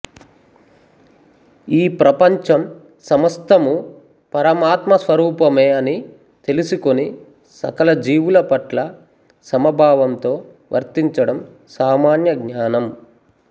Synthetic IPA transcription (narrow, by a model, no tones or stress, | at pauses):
iːpɾɐpɐɲt͡ʃɐm | sɐmɐst̪ʰɐmu | pɐɾɐmaːt̪mɐsʋɐɾuːpɐme̞ːɐni | t̪e̞lisuko̞ni | sɐ̰kɐlɐd͡ʒiːʋulɐpɐʈlɐ | sɐmɐbʱaːʋɐmt̪o̞ː | ʋʔɐ̰ɾt̪iɲt͡ʃɐɽɐm | saːmaːnjɐɡɲaːnɐm